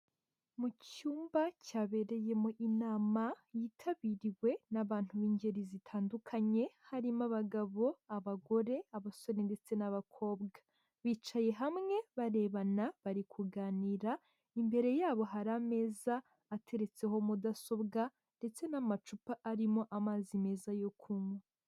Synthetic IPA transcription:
mucuːmbacaːβe̞ɾe̞je̞moʔinaːmajiːtʰaβiɾiwe̞naβaːn̥huβiːɲɟe̞ɾizitʰaːndukʰaɲe̞haɾimaβaɡaβo̞aβaɡo̞ɾe̞aβaso̞ɾende̞t͡se̞naβakʰo̞ːbɡa | βiːt͡ʃaje̞ɦamŋe̞βaɾe̞βanaβaɾikʰuɡaːniɾa | imbe̞ɾe̞jaːβo̞ɦaɾame̞ːzaː | tʰe̞ɾe̞t͡se̞ɦo̞mudaso̞bɡa | nde̞t͡se̞namat͡ʃupaʔːɾimo̞ʔamaːzime̞ːzajo̞kʰumwa

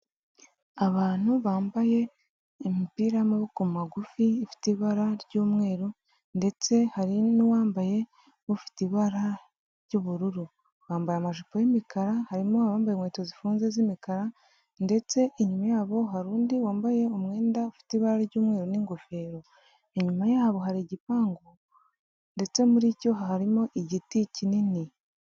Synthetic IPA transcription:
aβaːn̥huβaːmbaje̞ | mipiːɾamoβukumaɡufiːfi̥tiβaɾaɾɟuːmŋe̞ːɾo | nde̞t͡se̞haɾinuwaːmbaje̞ | βufi̥tiβaɾa | ɾɟuːβuɾuɾu | βaːmbajamaʒupojimikaɾahaɾimoaβaːmbajemweːtozifuːnzezimikaɾa | nde̞t͡se̞ʔeɲumajaːβo̞ɦaɾuːndiwaːmbaje̞omŋe̞ːndaufi̥tiβaɾaɾɟuːmŋe̞ːɾoniːŋɡofe̞ɾo̞ | eɲumajaːβo̞ɦaɾiɟipaːŋɡo | nde̞t͡se̞muɾico̞ɦahaɾimo̞ʔiɟiticinini

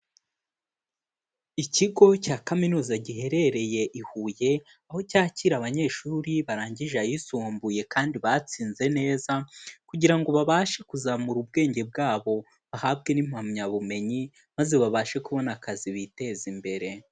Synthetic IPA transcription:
iciɡo̞caːkaminuːzaɟihe̞ɾe̞ɾe̞je̞ʔihuːje̞ | aho̞caːciɾaβaɲe̞ːʃuɾiβaɾaːɲɟiʒajisuːmbuje̞kaːndiβat͡siːnze̞ne̞ːzakuɟiɾaŋɡo̞βaβaʃe̞kuzamuɾub̚ɡe̞ːɲɟe̞bɡaːβo̞ | βahabɡe̞nim̥hamɲaβume̞ɲi | maze̞βaβaːʃe̞kuβo̞nakʰaziβite̞zimbe̞ɾe̞

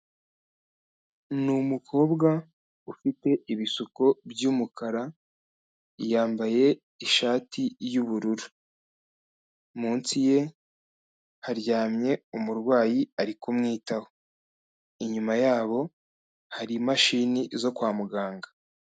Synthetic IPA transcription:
numukʰo̞ːbɡa | ufite̞iβisuko̞bjuːmukaɾa | ijaːmbaje̞ | iʃaːtijuβuɾuɾu | muːnsije̞ | haɾɟaːmɲe̞umuɾɡwaːjiaɾikumŋiːtaho | iɲumajaːβo̞ | haɾimaʃinizo̞kwaːmuɡaːŋɡḁ

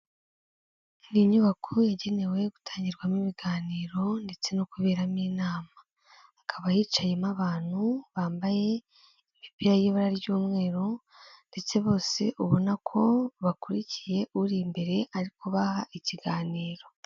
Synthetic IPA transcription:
niɲuβakʰojaɟe̞ne̞we̞ɡutʰaːɲɟiɾɡwamiβiɡaːniːɾo̞nde̞t͡se̞nokuβe̞ːɾamiːnaːmaː | kʰaβajiːt͡ʃajemaβaːn̥huβaːmbaje̞ | imipiɾajeβaɾaɾiβɟuːmŋe̞ːɾo | nde̞t͡se̞βo̞ːse̞ʔuβonakʰo̞βakuɾicije̞ʔuɾiːmbe̞ɾe̞ʔaɾikoβahaʔiciɡaːniːɾo̞

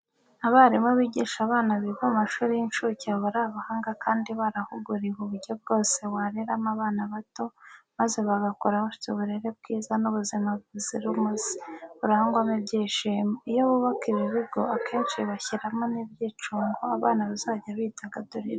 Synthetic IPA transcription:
aβaɾimŋeβiɟiʃaβaːnaβiβoumaʃuːɾijinʃucaβuɾaβahaːŋɡakʰaːndiβaɾahuɡuɾiβuβuɾɟo̞b̚ɡo̞ːse̞waɾeɾamaβaːnaβato̞maze̞βaɡakoɾaβaʃu̥t͡seβuɾe̞ɾe̞b̚ɡiːzanuβuzimaβuziɾumuzi̥βuɾahaŋɡwamebɟeːʃeijoβuβakiβiβiɡo̞akʰe̞ːnʃiβaçiɾamonibɟiːt͡ʃuːŋɡoaβaːnaβazaɟaβiːtaɡaduɾiɾa

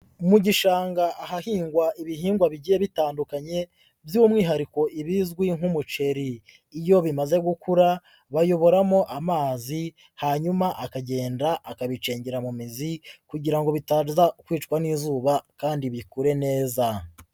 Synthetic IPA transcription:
umuɟiʃaːŋɡaʔaɦahiːŋɡwaʔiβiɦiːŋɡwaβiɟije̞βitaːndukaɲe̞ | bjumŋiːɦaɾiko̞ʔiβizɡwiŋhumut͡ʃe̞ɾiː | jo̞βimaze̞ɡukuɾa | βajo̞βo̞ɾamo̞ʔamaːzi | haɲumaʔakaɟe̞ːndaʔːkaβit͡ʃe̞ːɲɟeɾamumizikuɟiɾaŋɡo̞βitaːzakwiːt͡ʃkwaniːzuːβakaːndiβikuɾe̞ne̞ːza

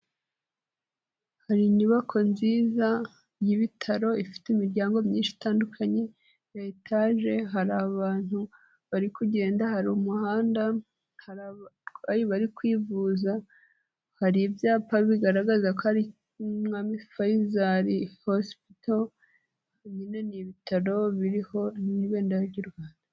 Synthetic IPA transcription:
haɾiniβakʰo̞nziːza | jiβitʰaɾo̞ifi̥timiɾɟaːŋɡo̞mɲiːnʃi̥taːndukʰaɲe̞ | jetʰaʒe̞ɦaɾaβaːn̥hu | βaɾikuɟe̞ːndahaɾumuhaːnda | h | ajiβaɾikwiːvuːza | haɾibjaːpaβiɡaɾaɡazakohaɾi | mŋamifajizaɾihospito | ɲineniβitaɾo̞βiɾiho̞niβe̞ːndajaɾɟuɾɡwaːnda

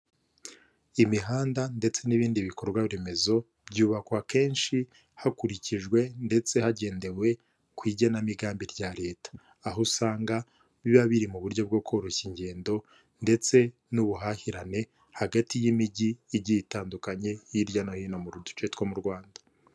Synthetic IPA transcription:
imiɦaːndande̞t͡se̞niβiːndiβiko̞ɾɡwaβiɾe̞me̞zo̞ | bɟuːβakwake̞ːnʃi | hakuɾiciʒɡwe̞nde̞t͡se̞haɟe̞ːnde̞we̞ | kwiːɟanamiɡaːmbiɾɟaɾe̞ːtḁː | ɦusaːŋɡa | βiβaβiɾimuβuɾɟo̞b̚ɡo̞kʰoɾoçiɲɟe̞ːndo̞ | nde̞t͡se̞ | nuβuɦahiɾane̞ | haɡatijimiɟiːɟiitaːndukaɲe̞jiɾjanohinamuɾudu̥t͡ʃetkwamuɾɡwaːndḁ

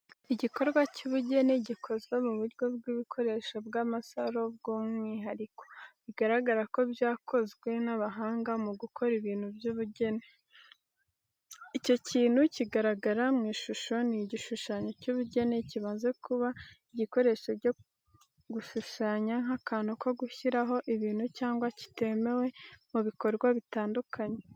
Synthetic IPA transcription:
iɟiko̞ɾɡwacuβuɟe̞neɟikʰo̞zwemuβuɾɟo̞bɡwiβikʰo̞ɾe̞ːʃobɡamasaɾo̞b̚ɡoːmŋiːɦaɾiko̞̥βiɡaɾaɡaɾako̞bjaːkʰo̞zɡwe̞naβaɦaːŋɡamuɡukʰo̞ɾiβiːn̥hubjuβuɟe̞ne | ico̞ciːn̥huciɡaɾaɡaɾamŋiːʃuʃo̞niɟiʃuʃaːɲo̞cuːβuɟe̞ne̞ciβaːnze̞kuβaiɟiko̞ɾe̞ːʃo̞ɟo | ɡuʃuʃaːɲaŋakaːnoko̞ɡuçiɾaɦo̞ʔiβiːnhucaːŋɡwaci̥te̞me̞we̞muβiko̞ɾɡwaβitaːndukʰaɲe̞

